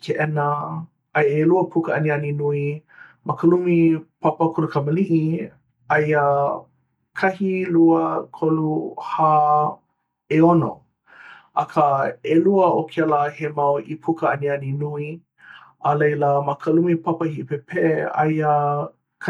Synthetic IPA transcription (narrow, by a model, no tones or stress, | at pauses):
kʰeʔɛnə | ɐjeluəpʰukəʔɐnianinuimʔɐkəlumipʰapəkʰolukʰɐməliʔi | ɐjə | kʰɐhiluəkʰoluha | eono̰ | ʔɐkʰaeluəʔokʰɛlahemawʔipʰukəɐnianinui | ɐlejləmɐkʰəlumipapɐhiʔpepʰeɐ̰jə | kʰ